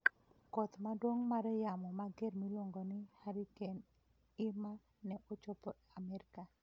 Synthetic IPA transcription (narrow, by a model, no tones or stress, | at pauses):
kɔt̪madwoŋmaɾɛjamɔmaɡermiloŋɡonɪhaɾiken | ɪma | nɛʔot͡ʃɔpɔ | amɛɾka